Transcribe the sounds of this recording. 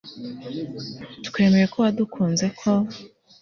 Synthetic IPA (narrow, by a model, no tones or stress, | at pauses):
tkwe̞ːme̞ɾekowadukʰuːnze̞kʰo̞